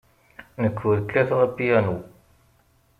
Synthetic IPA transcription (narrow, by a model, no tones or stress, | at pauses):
nəkʰːuɾkːæθʁəbijænu